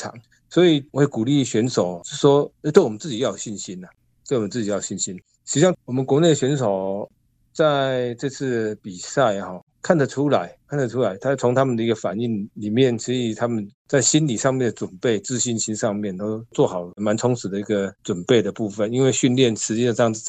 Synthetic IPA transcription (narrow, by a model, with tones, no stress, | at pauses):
ɑ̰˨˩˦ŋ | swɔ˧˥i˨˩wɔ˧˦e˨˩ku˨˩li˥˩ɕɥɛ˧˥nʂo˨˩ʊt͡ɕʂwɔ˦˥e˥˧t̪we˥˩wɔ˨˩ə˦nt͡sɹ̩˥˩t͡ɕi˨˦jɑ˥˩jɕi˥˩nɕi˥na˨ | t̪wɪwɔ˨mə˦nt͡sɹ̩˥t͡ɕi˨jo˨˩ɕi˥˩nɕi˦˥n | ɕʰɕjɑ˥˧ŋwɔ˨˩mə˨˦nkwɔ˧˥ne˥˩də˩ɕɥɛ˧˥nʂo˨˩ʊ | t͡sa˥˧ɪʈ͡ʂɤ˥˧t͡s̩ʰ˥˩pi˨˩sa˥˧ɪxɔ˥˩ | kʰa˥˩nd̪ə˨˩ʈ͡ʂʰu˦˥la˧˦ɪkʰa˥˩nd̪ə˩ʈ͡ʂʰu˥la˧˥ɪt̪ʰa˥t͡sʰo˧˥ŋt̪ʰa˥mə˨nd̪ə˩i˧˥ɡə˧fa̰˨˩ni˥˩nli˨˩mjɛ˥˨˩nt͡ɕʰi˧˥i˨˩t̪ʰa˥mə˨nt͡sa˥˩ɪɕi˦˥nli˨˩ʂɑ˥˧ŋmjɛ˥˩nd̪ə˩t͡swə˨˩npe˥˩ɪt͡sɹ̩˥˧ɕi˥nɕi˥nʂɑ˥˧ŋmjɛ˥˨nt̪o˥ʊt͡swɔ˥˩xɑ˨˩ʊma˧˦nt͡sʰʊ˧˥ŋt͡sʰɹ̩˨˩d̪ə˧i˧˥ɡə˨t͡swə˨˩npe˥˩ɪd̪ə˩pu˥˧fə˨ni˥nwe˥˧ɪɕy˥˧nljɛ˥˨nʂʰɻ̩˧˥t͡ɕi˥ə˧˩ʈ͡ʂjɑ˥˧ŋ̩˥˧˩